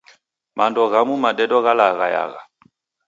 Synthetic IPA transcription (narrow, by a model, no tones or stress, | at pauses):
mandɔɣamumadɛdɔɣalaɣa̰ja̰ɣa̰